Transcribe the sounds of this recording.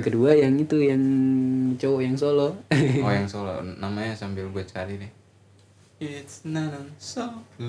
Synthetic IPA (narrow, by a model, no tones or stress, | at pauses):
ŋkəduajaŋit̪ujaŋ | t͡ʃowɔjaŋsolɔojaŋsolɔ̰namaɲasambɪlɡuat͡ʃə̥kaɾidɪh | ɪtsnanso